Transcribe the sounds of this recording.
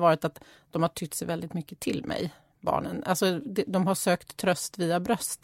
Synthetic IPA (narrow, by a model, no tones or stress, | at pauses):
vɑːɾɪt̪at̪ | d̪̥ɔmhaʈʰʏt̪ːsɛjvɛld̪ɪt̪mʏkːət̪ʰɪlmʔɛ̰j | bɑ̰ːɳənʔa̰lsɔd̪ɛd̪ɔmɦaʂøːkt̪ʰːɾœst̪viːabɾœst̪